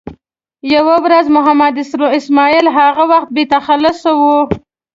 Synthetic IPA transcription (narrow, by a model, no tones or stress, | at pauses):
jawawɾazmʊɦamad̪ɪsɾoɪsmɑilɦaɣawaxt̪̚bet̪axalʊsawu